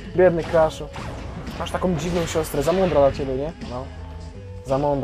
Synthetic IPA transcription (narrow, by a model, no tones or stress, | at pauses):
bʲjɛd̪nɨkɾaʂu | maʂt̪akɔ̃w̃d͡ʑivnɔ̃w̃ɕɔst̪ɾɛzamɔnd̪ɾad̪lat͡ɕɛbʲjɛɲɛnɔ | zamɔnd̪ɾ